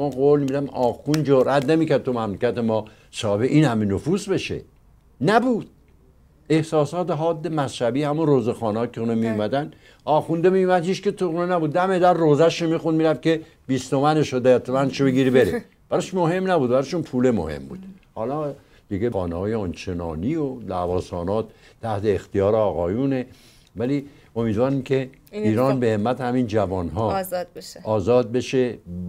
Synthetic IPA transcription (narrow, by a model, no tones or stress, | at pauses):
mɒːɣoːlmiid̪æmɒːxund͡ʒoɾʔæt̪nemiːkæɾd̪̚t̪ʰomæmlekʲæt̪emɒː | sɒːhebeʔiːnhæmenofuːsbe̞ʃḛ | næbuːd̪̥̚ | e̞hsɒːsɒːt̪eɦɒːd̪ːemæsʃæbiːhæmunroːzexɒːnɒːkʰeunemijumæd̪æn | ɒːxund̪emiumæd̪hiːt͡ʃket̪ʰounenæbuːd̪̚ːæmed̪æɾroːzæʃomiːxund̪miːɾæft̪̚kʰe | b̥iːst̪omæneʃod̪æt̪ʰːomænʃobeɡiɾbeɾe | b̥æɾɒʃmohe̞mnæbuːd̪̚bæɾɒʃunpʰuːlemo̰hḛmbṵːd̪hɒːlɒː | d̪̥iɡexɒːnehɒːjeɑnt͡ʃʰenɒ̰ːniolævɒːsɒːnɒːt̪̚t̪ʰæht̪ʰeːxt̪ijɒːɾeɒːɣɒːjuːne | væli | o̞miːd̪vɒːɾimkʰe | iːɾɒːnbehemːæt̪ʰhæmind͡ʒævɒːnɦɒːzbʃɒːzɒːd̪̚be̞ʃe